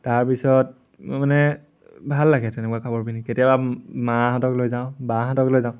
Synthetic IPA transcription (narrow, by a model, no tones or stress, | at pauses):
taɹpisɔt̚ | manɛ | bʱalːaɡɛtɛnɛkwakʰabɔɹbiniketijabamaɦatɔklojzaʊ̃bãɦatɔklojzaʊ̃